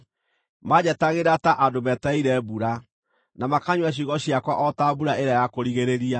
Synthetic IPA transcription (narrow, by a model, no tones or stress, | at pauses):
mad͡ʑɛtaɣeɾataʔadomɛtɛiɾɛβuɾa | namakaɲwaɕ̬iɣɔɕijakwaʔɔtaβuɾaeɾajakoɾiɣeɾeɾia